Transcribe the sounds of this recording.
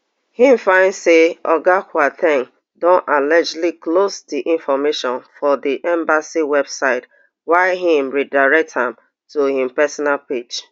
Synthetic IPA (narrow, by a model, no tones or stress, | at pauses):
hĩm̩fãɪ̃ndseɔɡakwatʰɛ̃ŋ | dõnʔalɛd͡ʒliklosdiʔĩnfɔmeʃɔ̃nfɔdiʔɛ̃mbasiwɛbsaɪt | waɪɦĩmɹidaɪɹɛk̚thãm | tohĩmpɛsɔnalped͡ʒ